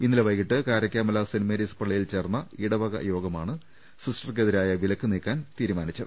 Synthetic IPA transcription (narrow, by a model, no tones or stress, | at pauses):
inːɐlɐʋɐjkːiʈːɨkaːɾɐkʲːaːmɐlɐsinimeɾispɐɭːɐjilt͡ɕe̞ːrnːɐiɽɐʋɐɣɐ̰jo̞ːɡɐmaːɳɨ | sisʈɐrkeðiɾaːjɐʋilɐkːɨniːkːaːnt̪iːɾumaːnit͡ɕːɐðɨ